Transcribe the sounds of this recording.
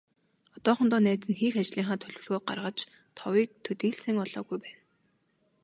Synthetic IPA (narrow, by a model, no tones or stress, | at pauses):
ɔt̪ɔːχɞ̆nt̪ɔːnæːt͡sɘ̆nxiːxat͡ɕɮiːŋχaːt̪ʰɵɮwɵ̆rɣoːɢa̰rʁə̆t͡ɕ | t̪ʰɔwiːk̚t̪ʰɵt̪iːɮsɘ̆ŋɔɮ̥ɔːɣujpæːn